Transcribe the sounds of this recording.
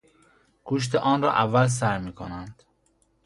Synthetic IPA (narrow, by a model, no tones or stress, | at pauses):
kʰuʃ̬t̪ʰeʔɒːnrɒ̰ːʔævːæls̬æɾmiːkʰonænd̪̥